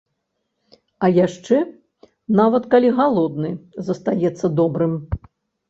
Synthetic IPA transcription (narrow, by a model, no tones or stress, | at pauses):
ɐjaʂt͡ʂɛ | navɐt̪kalʲiɣalˠɔd̪nɨzɐst̪ajɛt̪sːɐd̪ɔbɾɨm